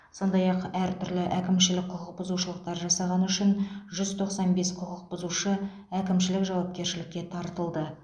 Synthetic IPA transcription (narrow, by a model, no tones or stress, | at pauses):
so̞nd̪ɑjɑqæɾt̪ʰʏɾlɪʔækʲɪmʃɪlɪk̚qʰʊqəq̚bʊzuʃəlˠəqt̪ɑɾʒɑsɑʁɑnʏʃɪnʒʏzt̪ʰo̞qsɑnbe̞sqʰʊqəq̚b̥ʊzuʃə | ækʲɪmʃɪlɪkʒɑwɑp̚kʲe̞ɾʃɪlɪkʲːe̞t̪ʰɑɾt̪əlˠd̪ə